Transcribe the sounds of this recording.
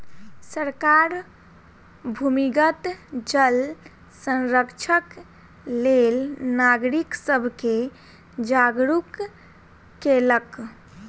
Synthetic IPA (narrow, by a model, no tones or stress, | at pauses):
səɾkaɾ | bʱumiɡət̪d͡ʒəl | sə̃nɾəkt͡ʃʰək | lelnaɡɾiksəbʱke | d͡ʒaɡɾukː | elək